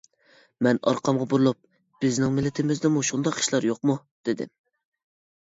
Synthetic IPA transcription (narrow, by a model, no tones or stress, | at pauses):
mɛnɑ̰ɾqʰɑmʁɑbuɾɨlˠup̚ | b̥ɪznɪŋmɪlːɪt̪ʰɪmɪzd̪ɪmuʃund̪ɑqi̥ʃlˠɑɾjoq̚mu | d̪̥ɪd̪ɪ̰m